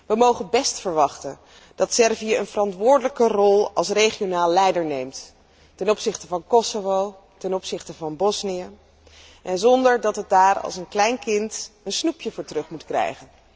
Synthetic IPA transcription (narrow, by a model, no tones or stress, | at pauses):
ʋəmowχənbɛstfəɹʋɑχtən | d̥ɑtsɛɹviəənvərɑntʋʊːɹdələkərɔlˠɑlˠsrejχionaːlːɛjdəɹnejmt | tɛnɔpsɪχtəvɑnkɔsovow | tɛnɔpsɪχtəvɑnbɔsnijə | ʔɛnzɔndəɹdɑtɦət̚daːrɑ̰lˠsənklɛjnkɪntənsnupjəvʊːɹtrɵχmutkrɛ̰jχən